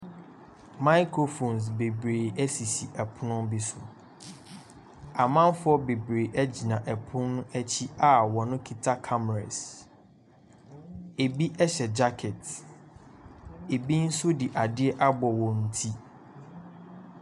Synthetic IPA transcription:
ma˦ɪ˦kʰo˨fõ˨ns̬be˨bɾeː˨ɛ˦si˨si˨ʔɛ˨pʰʊ˦nʊ̃˦bi˦sʊ˨ | a˨mã˦n˦fʊ˦ɔ˦be˨bɾeː˨ʔɛ˦d͡ʑi˨nã˨ʔɛ˨pʰʊ̃˦nʊ̃˦ʔɛ˦t͡ɕʰi˦a˨wɔ˨nʊ̃˦kʰi˨tʰa˦kʰa˦m˨ɾa̰˨s | e˨bi˦ʔɛ˦ɕɛ˨d͡ʑa˦kʰɛ˨t | e˨bi˦n̩˦sʊ˦di˨ʔa˨dɪ˦ɛ˦ʔa˦bɔ˨wɔ˨n̩˨tʰi˦

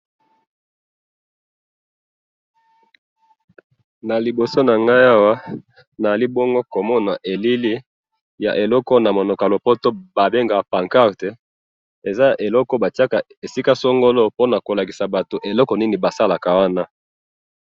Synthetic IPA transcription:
na˨li˨bo˨so˦na˨ŋɡa˦ja˦wa˦ | na˨a˨li˦bɔ˦ŋɡo˦ko˨mɔ˦na˨ʔe˨li˦li˦ | ja̰˨ʔe˨lɔ˦kɔ˦na˨mo˨nɔ˨ka˨lo˨po˦to˦ba˨be˦ŋɡa˨pa˨ŋka˦ʁte˨˦ | e˨za˦ja˨ʔe˨lɔ˦kɔ˦ba˨ti˦a˦ka˨ | e˨si˦ka˦so˦ŋɡo˦lo˦po˦na˨ko˨la˨ki˨sa˨ba˨to˨ʔe˨lɔ˦kɔ˨ni˦ni˨ba˨sa˦la˨ka˨wa˦na˦

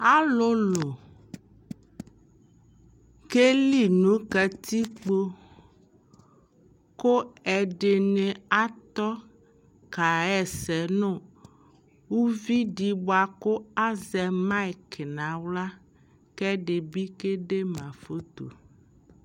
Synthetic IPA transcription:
a˦lo˦lo˨ | ke˦li˦nũ˨˦kɛ˨t̪i˦k͡po˦ | ko˦ɛ˨ɖe˨nẽ˨a˦t̪ɔ˦ | ka˨ɛ˨sɛ˨nõ˦ | wu˦vi˦ɖi˨bo˦a˨ko˦a˦zɛ˨mã˦i˨ke˨nã˨wla˦ | kɛ˦ɖe˨bi˦ke˦ɖe˦mã˨fo˦t̪o̰˨

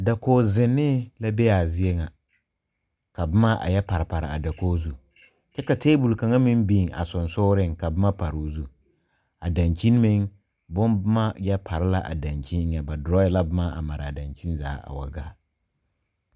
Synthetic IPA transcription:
a˨da˨koː˦zɪ˨nːɪ˦la˦bɛ˦a˨zɪ˦e˦ŋa˨ | ka˨bʊ˦ma˦ʔa̰˨jɛ˦pa˨ɾɪ˨pa˨ɾɪ̰˨a̰˨da˨koː˦zu˦ | t͡ʃɛ˦ka˨tʰeː˦bu˨lka˨ŋa˦mɪ˦nbi˦˨ŋa̰˨sʊ˨nsʊː˦ɾɪ˦˨ŋka˨bʊ˦ma˦pa˨ɾu˨˦zu˦ | a˨da˨nt͡ʃi˦n˦mɪ˦ŋ | bʊ˦nbʊ˦ma˦jɛ˦pʰa˨ɾɪ˦la˦ʔa̰˨da˨nt͡ʃi˦n˦ɲɛ˨ba˨dɾɔ˦jɛ˦la˦bʊ˦ma˦ʔa̰˨ma˨ɾɪ˨a˨da˨nt͡ʃi˦nza̰ː˨˦a̰˨wa̰˨ɡa̰ː˦

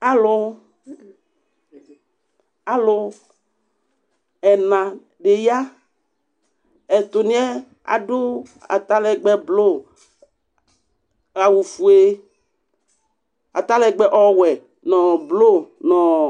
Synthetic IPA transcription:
a˨lʊ˦ | a˨lo˦ | ɛ˨nã˨ | ɖe˨ja˦ | ɛ˨t̪ʊ˨nĩ˦ɛ˦ | a̰˨ɖʊ˦a̰˨t̪a˦lɛ˨ɡ͡bɛ˦blo˦˨ | a˨wu˨fu˨e˦ | a˨t̪a˦lɛ˦ɡ͡bɛ˦ʔɔ˦wɛ˨ | nɔ̃˨blo˦nɔ̃˨

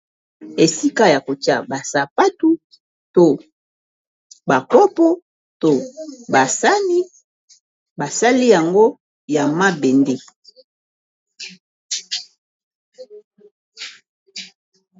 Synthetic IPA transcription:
e˨si˦ka˦ja˨ko˨t͡ʃa̰˦ba˨sa˨pa˦tu˦ | to˦ | ba˨pɔ˦pɔ˦ | to˦˨ba˨sa˦ni˦ | ba˨sa˦li˦ja˨ŋɡo˦ | ja˨ma˦be˨nde˦

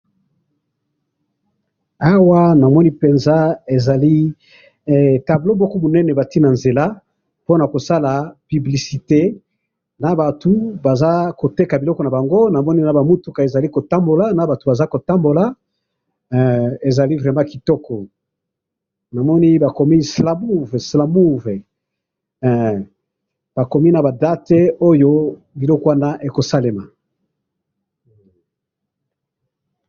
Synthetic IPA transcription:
a˦wa˦na˨mɔ˦ni˦pe˨nza˦e˨za˨li˦˨ | ta˨blo˦mɔ˦kɔ˦bu˨nɛ˦nɛ˨ba˨ti˦na˨nze˨la˦ | po˦na˨ko˨sa˦la˨py˨bli˨si˨te˦ | na˨ba˨tu˨ba˨za˦ko˨te˦ka˨bi˨lɔ˦kɔ˨na˨ba˨ŋɡo˦na˨mɔ˦ni˦na˨ba˨mu˦tu˦ka˨e˨za˨li˦ko˨ta˦mbo˨la˨na˨ba˨tu˨ba˨za˦ko˨ta˦mbo˨la˨˦˨ | e˨za˨li˦vʁɛ˨mã˦ki˨tɔ˦kɔ˨ | na˨mɔ˦ni˦ba˨kɔ˨mi˦sla˨mu˦vɛ˨sla˨mu˦vɛ˨ | b̥a˨kɔ˨mi˦na˨ba˨da˦te˦o˦jo˦ | bi˨lɔ˦kɔ˦a˦na˦ʔe˨ko˨sa˦le˨ma˨

